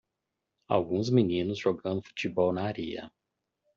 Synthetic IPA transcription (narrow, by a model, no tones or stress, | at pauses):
a̰wɡũzminĩnʊzʒoɡɐ̃nd̪ʊfu̥t͡ʃibɔwnɐaɾiɐ̰